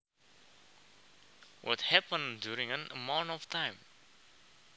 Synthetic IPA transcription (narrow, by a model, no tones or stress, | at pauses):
wʔɔ̰thæpə̃ndjuɹɪ̃ŋə̃nəmãʊ̃ntɔv̥tʰãɪ̃m